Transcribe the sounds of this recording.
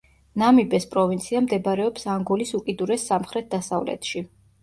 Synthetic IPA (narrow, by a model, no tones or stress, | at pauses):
namibɛspʼɾɔvint̪sʰiamd̪ɛbaɾɛɔpsaŋɡɔlisukʼid̪uɾɛsːamχɾɛt̪̚d̪asavlɛ̰t̪ʰʃi